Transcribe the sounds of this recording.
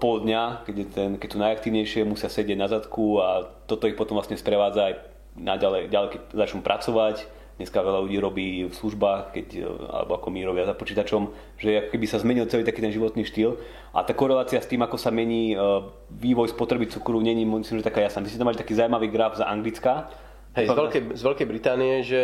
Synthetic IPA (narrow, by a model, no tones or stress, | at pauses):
pɔld̪ɲakɛɟjɛt̪ɛnkɛc̚t̪unajak̚t̪iːʊɲɛjʃɪɛmusɪasɛɟɪɛɟnazat̪kuat̪ɔt̪ɔixpɔt̪ɔmʋlasɲɛspɾɛʋaːd͡zaːj | naɟalɛjɟalɛkɛc̚zat͡ʃnumpɾʔa̰t͡sɔʋac | d̪ɲɛskaʋɛʎaluɟiːɾɔbiːfsluʒbaːxkɛca̰lɛ̰bɔa̰kɔmiɾɔbɪazapɔt͡ʃiːt̪at͡ʃɔm | ʒɛɛakɔ̥kɛbisazmɛɲilt͡sɛliːt̪akiːt̪ɛnʒiʋɔt̪niːʃt̪il | ʔa̰t̪aːkɔɾɛlaːt͡siast̪iːmakɔsamɛɲiː | ʋiːʋɔjspɔt̪ɾɛbit͡sukuɾuɲɛɲiːmmislimʒɛt̪akaːjasnaːmismɛt̪amalit̪akiːzawjmaʋiːɡɾavzaʔaŋɡlit͡ska | ɦɛzaɛlkɛzʋɛlkɛjbɾit̪aːnijɛʒɛ